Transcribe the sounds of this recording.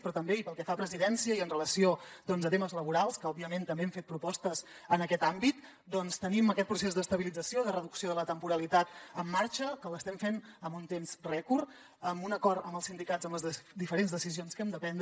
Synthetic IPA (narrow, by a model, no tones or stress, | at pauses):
pɾɔt̪əmbeipəlˠkɛfapɾəziðɛnsiəiənrələsiod̪ɔnzət̪eməzləβuɾalˠskəɔbiəment̪əmbeɛmfet̪̚pɾupɔst̪əz | ənəkɛt̪ambit̪̚ | d̪ɔnst̪əniməkɛt̪̚pɾus̬ezd̪əst̪əβilid͡zəsioðərəðuksioðələt̪əmpuɾəlit̪at̪əmːaɾt͡ʃəkələst̪ɛmfenəmunt̪emzrɛkuɾ | əmunəkɔɾt̪əməlˠsind̪ikazəmləzd̪ifəɾenzðəsizionskɛmd̪əpɛnd̪